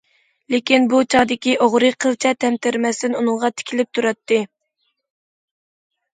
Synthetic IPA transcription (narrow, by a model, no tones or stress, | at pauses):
lɪkʲinbut͡ʃʰɑʁd̪ɪkʲiʔoʁɾɨqʰəlˠt͡ʃʰɛt̪ʰɛmt̪ʰɪɾmɛst̪ɪnunɨŋʁɑt̪ʰɪ̥kʲʰilɪp̚t̪ʰuɾɑt̪ːɨ